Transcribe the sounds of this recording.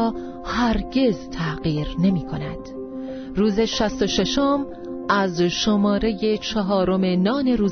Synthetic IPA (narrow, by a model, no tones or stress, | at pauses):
hæɾɟe̞zt̪ʰæɢiːɾne̞miːkʰo̞næd̪̥ | ruːze̞ʃæst̪o̞ʃe̞ʃo̞m | ʔæzʃomɒːɾe̞je̞t͡ʃʰɒɦɒːɾome̞nɒːne̞ɾuː